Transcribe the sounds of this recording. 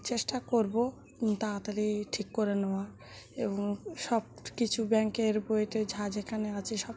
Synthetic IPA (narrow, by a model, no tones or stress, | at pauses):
t͡ɕeʃʈakoɾbo | t̪at̪aliʈʰikːoɾeneoa | eboŋʃɔb̚ | kit͡ɕʰubɛŋkeɾbojt̪ed͡ʑʱad͡ʑʱekʰaneat͡ɕʰeʃɔb̚